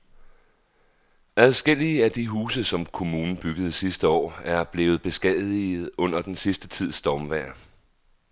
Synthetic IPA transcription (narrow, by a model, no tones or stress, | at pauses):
æðˠsɡ̥el̰iəæd̥iɦuːsəsɒ̽mkʰo̝muːnn̩b̥yɡ̥əð̞̩ˠsisd̥əɒ̰ːæɐb̥le̝ːʊð̞̩ˠb̥e̝sɡ̥ɛð̩ˠið̩ˠɔ̽n̰ɐd̥ensisd̥ət͡sʰið̞̰ˠsd̥ɒːmʋæːɐ